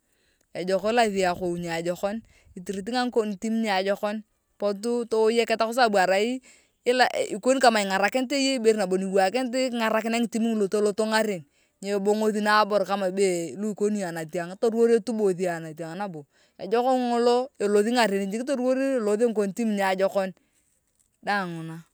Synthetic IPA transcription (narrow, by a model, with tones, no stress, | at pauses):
a˨d͡ʒɔ˨kɔ˦la˦ði˨a˨ko˨ɲaː˨d͡ʒɔ˨kɔ˦n | i˨ti˨ɾi˨t̬i˦ŋa˦ŋko˦n˨ti˦m˦ɲa˨d͡ʒɔ˦kɔ˦n | po˦t̬u˦to˦je˦kɛ˦ta˦kʊ˦s̬a˦˨ba˨ɾa˨i˦ | ɪ˦la˨i˨ko˦n˦ka˨ma˨ɪ˨ŋa˨ɾa˨kɪ˦nte˦je˦i˦be˦ɾna˨bo˨ni˨wa˨kɪ˦nt̬ɪ˦kŋa˨ɾa˨kɪ˦na˦ŋi˨ti˦mi˦ŋ˨lo˨to˦lo˦to˦ŋa˦ɾe˨n | ɲe˨bo˦ŋo˦ði˦na˦bo˨ɾka˦ma˨be˦lo˦i˨ko˦ni˦a˨na˨ti˨a˨ŋ˦to˦ɾo˦ɾe˦tu˦bo˨ði˨˦a˨na˨ti˨a˨ŋna˦bo˨ | a̰˨d͡ʒɔ˦kɔ˦ŋŋo˦lo˦e˨lo˨ði˦ŋa˨ɾe˨ni˨d͡ʒi˨kɪ˦t̬o˦ɾwo˦ɾi˦˨lo˨ðe˦ŋ˦ko˨n˨ti˦m˦ɲ˨a˨d͡ʒɔ˦kɔ˦n | da˦˨ŋʊ˨na˦